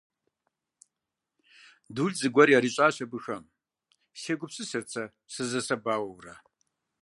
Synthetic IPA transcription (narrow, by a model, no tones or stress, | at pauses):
duːɮzɨɡʷɐɾjaːɾiɕʷʼaːɕɐbɨxɐm | ʃeɡʷʊpsɨsɨrt͡sʰɐ | sɨzɐsɐbaːwɐwrɐ̰